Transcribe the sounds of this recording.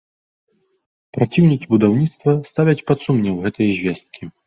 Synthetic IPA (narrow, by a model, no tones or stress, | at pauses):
pɾat͡sʲiwnʲikʲibud̪awnʲit̪st̪vɐst̪avʲɐt͡sʲpat̪sumnʲɛwɣɛt̪ɐjɐzʲvʲɛst̪̚kʲi